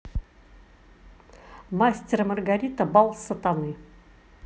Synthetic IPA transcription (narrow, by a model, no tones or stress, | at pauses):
masʲtʲermɐrɡaɾʲit̪əbɑlˠsət̪anɨ